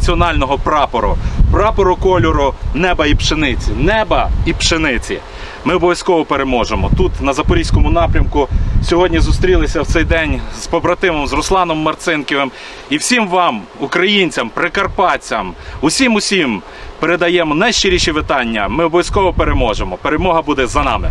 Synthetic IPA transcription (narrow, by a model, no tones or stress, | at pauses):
ɐt͡sʲiɔnɑlʲnɔɦɔpɾɑpɔɾʊ̰pɾɑpɔɾʊkɔlʲɔɾʊnɛbɐipʃenɪt͡sʲinɛbɐipʃenɪt͡sʲḭ | mɪɔbɔʋjɐskɔʋɔpeɾemɔʒemɔt̪ut̪nɐzɐpɔɾʲijsʲkɔmʊnɑpɾʲɐmkʊsʲɔɦɔdʲnʲizʊst̪ɾʲilˠɪsʲɐwt̪sɛjd̪ɛnʲzpɔbɾɐt̪ɪʋɔmzrɔslˠɑnɔmːɐrt̪sɪnkʲeʋem | iwsʲimʋɑm | ʊkɾɐjinʲt͡sʲɐmpɾekɐrpɑt͡sʲɐmʊsʲimʊsʲim | peɾed̪ɐjɛmɔnɐjʃt͡ʃɪɾʲiʃiʋɪt̪ɑnʲːɐmɪɔbɔjɐskɔʋɔpeɾemɔʒemɔpeɾemɔɦɐbud̪ɛzɐnɑ̰mɪ